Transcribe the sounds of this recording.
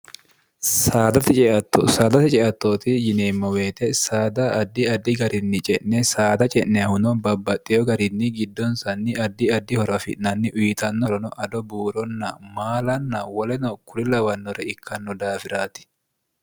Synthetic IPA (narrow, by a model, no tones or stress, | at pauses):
saːd̪ɐt̪ɪt͡ʃʼɛʔɐt̪ːosaːd̪ɐt̪ɪt͡ʃʼɛʔɐt̪ːoːt̪ɪjɪneːmːɔweːt̪ɛsaːd̪ɐʔːd̪ːɪɐd̪ːɪɡɐɾɪnːɪt͡ʃʼɛʔnɛsaːd̪ɐt͡ʃʼɛnnɛhʊnɔbɐbːɐt̪ʼːɪjɔɡɐɾɪnːɪɡɪd̪ːɔnsɐnːɪɐd̪ːɪɐd̪ːɪhɔɾɐfɪ̰ʔnɐnːɪʔʊjɪt̪ɐnːɔɾɔnɔʔɐd̪ɔbuːɾɔnːɐmaːlɐnːɐwɔlɛnɔkʊlɪlɐwɐnːɔɾɛɪkʰːɐnːɔd̪aːfɪɾaːt̪ɪ̥